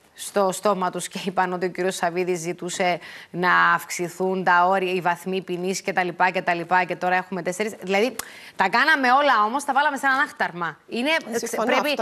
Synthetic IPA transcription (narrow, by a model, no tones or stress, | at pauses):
st̪o̞st̪o̞mɐt̪usceipɐno̞t̪io̞ciɾio̞sɐviðizːit̪use̞nɐːfksiθunt̪ɐo̞ɾiɐivɐθmipinisce̞t̪ɐlipɐce̞t̪ɐlipɐce̞t̪o̞ɾɐe̞xume̞t̪e̞seɾisðilɐði | t̪ɐkɐnɐme̞o̞lɐo̞mo̞st̪ɐvɐlɐme̞senɐnɐxt̪ɐɾmɐine̞pɾepi